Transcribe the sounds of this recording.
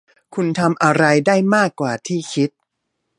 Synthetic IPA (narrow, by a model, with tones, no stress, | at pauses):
kʰu˧nt̪ʰa˧mʔa˧ɾa˧jdaː˥˩jmaː˥˩kːwaː˨˩t̪ʰiː˥˩kʰi˦˥t̪̚